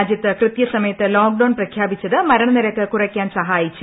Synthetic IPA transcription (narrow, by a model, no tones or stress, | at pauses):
d͡ʑjɐt̪ːɨkrɨt̪jɐsɐmɐjɐt̪ːɨloːkɖɐwɳprɐkʰjaːbit͡ɕːɐðɨmɐɾɐɳɐniɾɐkːɨkurɐkʲːaːnsɐɦaːjit͡ɕːu